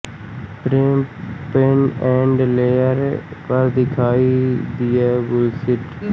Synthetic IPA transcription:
pɾeːmpenɛ̃ːɳɖleːəɾpəɾd̪ɪkʰaːid̪ɪjaːbʊlsɪʈ

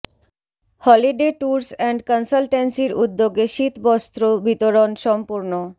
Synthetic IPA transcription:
hɔliɖeʈuɾsɛɳɖkɔnsalʈensiɾud̪ːoɡeʃit̪bɔst̪ɾobit̪oɾonʃɔmpuɾno

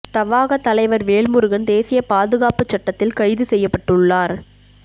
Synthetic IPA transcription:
t̪ɐʋaːɣɐt̪ːɐlɐɪʋɐɾʋeːɭmʊɾɯɣɐnd̪eːsɪjɐpaːðɯɣaːpɯt͡ʃːɐʈːɐt̪ːɪlkɐɻɪðɯsɛjːɐpːɐʈːɯɭːaːɾ

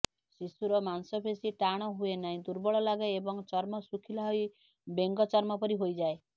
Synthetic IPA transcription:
sisuɾɔmansɔbʰesiʈaɽ̃ɔɦuenaɦĩd̪uɾbɔɭɔlaɡɔebɔŋt͡ʃɔɾmɔsukʰilaɦɔj | beŋɡɔt͡ʃɔɾmɔpɔɾiɦojd͡ʒae

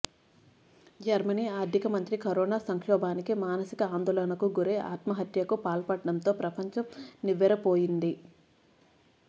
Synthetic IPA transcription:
d͡ʒɐɾmɐniːaːɾd̪ʱikɐmɐnt̪ɾikɐɾɔːnaːsɐŋkɔːbaːnikimaːnɐsikɐaːnd̪oːlɐnɐkuɡuɾe̞ːʔa̰ːt̪mɐɦɐt̪jɐkupaːlpɐʈːɐɽɐmt̪o̞ːpɾɐpɐɲt͡ʃɐmniʋːɛɾɐpoːjind̪i

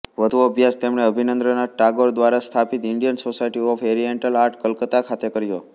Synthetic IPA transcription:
ʋəd̪ʱuəbʱjast̪emɳeəbʱinənd̪ɾənaʈaɡoɾd̪ʋaɾast̪ʰapit̪ɪɳɖijənsosajʈiɔfʰeɾieɳʈəlaɾʈʰkəlkət̪akʰat̪ekəɾjo

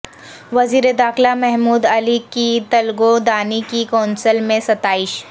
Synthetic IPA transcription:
ʋɐziːɾed̪aːxlamɛɦmuːd̪ɐlikit̪ɐlɡod̪aːnikikaːnsəlmẽsɐt̪aːɪʃ

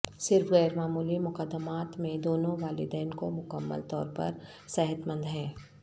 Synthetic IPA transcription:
sɪɾfɣɛːɾmaːmuːlimʊkəd̪ːəmaːt̪mẽd̪oːnõʋaːlɪ̰d̪ɛːnkomʊkəmːə̰lt̪ɔ̰ːɾpɐ̰ɾ | sɛɦət̪mə̃nd̪ɦɛ̃ː

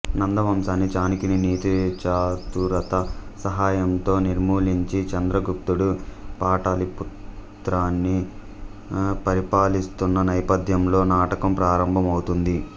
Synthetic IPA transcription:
nɐnd̪ɐʋɐmsaːnːit͡ʃaːnikininiːt̪it͡ʃaːt̪uɾɐt̪ɐsɐɦaːjɐnt̪o̞ːniɾmuːliɲt͡ʃit͡ʃɐnd̪ɾɐɡup̚t̪uɽupaːʈaːliput̪ | ɾaːnːi | pɐɾipaːlist̪unːɐnɐjɐpɐd̪ʱjɐmlo̞ːnaːʈɐkɐmpɾaːɾɐmbʱɐmɐwut̪und̪i

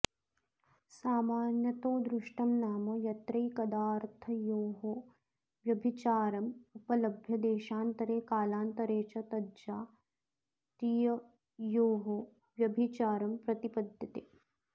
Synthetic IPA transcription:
saːmaːnjɐt̪oːd̪ɾuʂʈɐmnaːmɐjɐt̪ɾɐjkɐd̪aːɾt̪ʰɐjoːɦo | ʋjɐbʱit͡ʃaːɾɐmupɐlɐbʱjɐd̪eːʃaːnt̪ɐɾeːkaːlaːnt̪ɐɾeːt͡ʃɐt̪ɐdd͡ʒaː | t̪ɾijɐ | joːɦo | ʋjɐbʱit͡ʃaːɾɐmpɾɐt̪ipɐd̪ʱjɐt̪eː

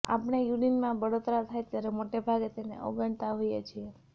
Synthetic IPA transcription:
a̰pɳ̃ejuɽinmãbəɽot̪ɾat̪ʰajt̪jaɾemoʈebʱaɡet̪enḛʔɔ̰ɡəɳt̪aɦojet͡ʃʰie

